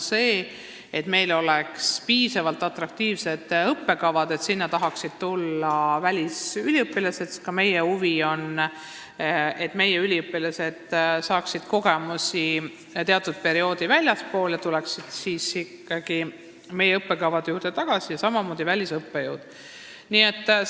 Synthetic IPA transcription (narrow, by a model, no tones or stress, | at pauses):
se̞ː | et̪me̞jlo̞lekspiːsɑvɑlt̪ːˑɑt̪rɑk̚t̪iːvse̞d̪̥ɤpːe̞kɑvɑd̪̥e̞t̪sinːɑt̪ɑɦɑksid̪̥̚t̪ulːɑvælʲisylʲiɤpːˑilɑse̞t̪kɑme̞jehuvio̞n | e̞t̪me̞jeylʲiɤpːˑilɑse̞d̪̥sɑːksid̪̥ko̞ɡ̥e̞musi | t̪eɑt̪ːˑud̪̥̚pe̞ɾio̞ːd̪ivælʲjɑspo̞ːljɑt̪ulɛksid̪̥siːsikːɑɡ̥i | me̞jeɤpːekɑvɑd̪ejuːrd̪̥e̞t̪ɑɡ̥ɑsijɑsɑmɑmo̞ːd̪̥ivælʲisɤpːejuːd̪̥ | niet̪ːˑ